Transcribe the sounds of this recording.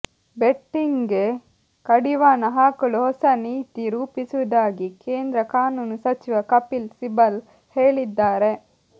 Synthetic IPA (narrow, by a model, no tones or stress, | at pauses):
beʈːiŋɡe | kɐɽiʋaːnɐɦaːkɐɭuɦɔsɐniːt̪iɾuːpisuʋɐd̪aːɡikeːnd̪ɾɐkaːnuːnusɐt͡ʃiʋɐkɐpilsibɐl | heːɭid̪ːaːɾe̞